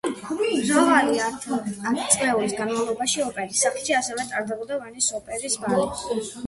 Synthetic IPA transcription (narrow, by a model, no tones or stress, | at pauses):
zɔvaɾia | t̪sʼlɛulisɡanmavlˠɔbaʃiɔpʼɛɾisakʃiasɛvɛt̪ʼaɾd̪ɛbɔd̪avanisɔpʼɛɾisbalɔ